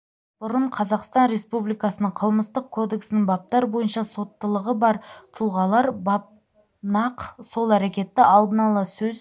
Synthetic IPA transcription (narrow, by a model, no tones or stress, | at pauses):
b̥ʊɾəɴqʰɑzɑqst̪ɑnɾe̞spublijkɑsənəɴqʰəlˠməst̪əq̚kʰo̞d̪e̞ksɪnɪŋbɑp̚t̪ɑɾbo̞jənʃɑso̞t̪ːəlˠəʁəbɑɾt̪ʰʊlˠʁɑlˠɑɾbɑp̚ | nɑqso̞lˠæɾekʲe̞t̪ːɪʔɑlˠd̪ənɑlˠɑsɵz